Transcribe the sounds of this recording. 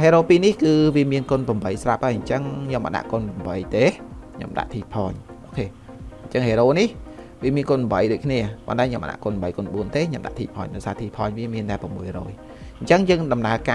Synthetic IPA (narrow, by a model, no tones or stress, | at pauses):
ɦeːɾoːpiːnihkɨːʋiəmiənkonpăəmɓəjsrap̚ʔaːjɲt͡ɕəŋɲomːʔa̰ʔɗa̰ʔkonpəmɓəjt̪eːkʰɲo̰mɗa̰ʔt̪ʰiːpʰɑːɲʔʔoːkʰeː | ɲt͡ɕəŋheːɾoːnih | ʋiəmiənkonɓmɓəjɗoːc̚kʰniəpont̪aɛɲomə̰ɗa̰ʔkoənmɓəjkoənɓuənt̪eːɲomɗa̰ʔt̪ʰiːpʰɑ̰ːɲɗaɔjsaːt̪ʰiːpʰɑːɲʋiəmiənt̪aɛpɨəmːuəjrɔ̰ːj | ɲt͡ɕəŋjəːŋɗɑmnaəkaː